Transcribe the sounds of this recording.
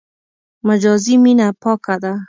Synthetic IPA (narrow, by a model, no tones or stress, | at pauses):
mad͡ʒɔziminapʰɔkːad̪a